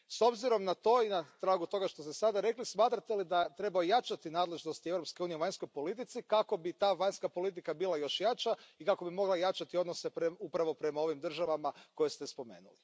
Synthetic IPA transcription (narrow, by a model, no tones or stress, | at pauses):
so̞bziɾo̞mnat̪o̞inat̪ɾaːɡut̪o̞ɡaʃt̪o̞st̪esad̪aɾe̞klismaːt̪ɾat̪elid̪at̪ɾe̞baojat͡ʃat̪inaːd̪le̞ʒno̞st̪iewɾo̞pske̞uːnijeuʋaɲʲsko̞jpo̞lit̪̬it̪sikako̞bit̪aːʋaɲskapo̞lit̪̬ikabilˠajo̞ʃjat͡ʃaikako̞bimo̞ɡlˠajat͡ʃat̪io̞d̪nosepɾeupɾaʋo̞pɾe̞mao̞ʋimd̪r̩ʒaʋamako̞jest̪espo̞me̞̰ːnṵli